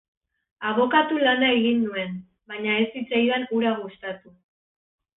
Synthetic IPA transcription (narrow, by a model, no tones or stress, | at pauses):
aβ̞o̞kat̪ulanae̞ɣinːue̞n | baɲae̞sit͡sajanuɾaɣust̪at̪u